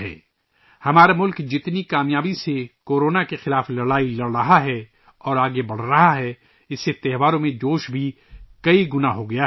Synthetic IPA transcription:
ɛ̰ː | hɐmaːɾamʊlkd͡ʒɪt̪nikaːmjaːbisekoːɾoːnakexɪlaːflɐɽaːilɐɽɾɐɦaɦɛ | ɔːɾaːɡebɐɽ̤ɾɐɦaɦɛ | ɪsːet̪ɛɦʋaːɾõmẽd͡ʒoːʃbʱi | kɐiɡʊnaɦoɡɐja

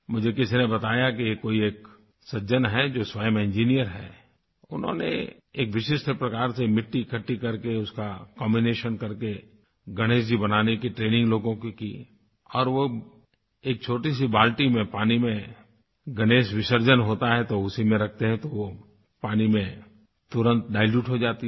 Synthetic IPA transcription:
mʊd͡ʒʱekɪsinebɐt̪aːjak̬ijekoːieːk | sɐd͡ʒənɦɛd͡ʒoːswaːjəmɪ̃nd͡ʒiːnijəɾɦɛ̰ː | ʊnɦõ̰nḛ | eːkʋɪʃɪʃʈ̪ʰəpɾɐkaːɾsemɪʈːikʰɐʈːikɐɾkeʊskakɔ̃ːmbineːʃənkɐɾke | ɡɐɽ̃eːʃ̬d͡ʒibɐnaːnekiʈɾeːnɪ̃ŋɡloːɡõkiki | ɔːɾʋo | eːk̚t͡ʃʰoːʈis̬ibaːlʈimẽpaːnimẽ | ɡɐɽ̃eːʃʋɪʃəɾd͡ʒənɦoːt̪aɦɛt̪oʊsimẽɾɐk̚ʰt̪eɦɛ̃t̪oʋo | paːnimẽ | t̪ʊɾə̃nt̪̚ɖaːɪljuːʈɦod͡ʒaːt̪i

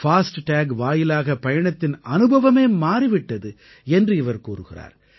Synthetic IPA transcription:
faːsʈʈaːɡʋaːjɪlaːɣɐpɐjɐɳɐt̪ːɪnɐnɯbɐʋɐmeːmaːriʋɪʈːɐðɯ | ɛndrɯɪʋɐɾkuːɾɯɣɪra̰ːɾ

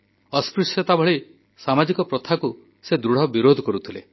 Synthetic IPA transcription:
ɔspɾuset̪abʱɔɭi | samad͡ʒikɔpɾɔt̪ʰaku | sed̪ɾuɽ̤ɔbiɾod̪ʱɔkɔɾut̪ʰilḛ

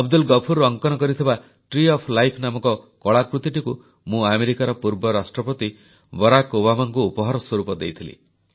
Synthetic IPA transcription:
ɔb̚d̪ulɡɔpʰuɾɔŋkɔnɔkɔɾit̪ʰiba | ʈɾiɔpʰlajpʰnamɔkɔkɔɭakɾut̪iʈiku | mũameɾikaɾɔpuɾbɔɾasʈɾɔpɔt̪i | bɔɾakobamaŋkuːpɔɦaɾɔswɔɾupɔd̪ḛjt̪ʰilḭ

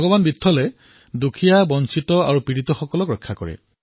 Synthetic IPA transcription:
ɔɡɔbanbitʰːɔlɛ | dukʰijabɔnsitɔaɹupɹiɹitɔxɔkɔlɔkɹɔkʰːakɔɹɛ̰

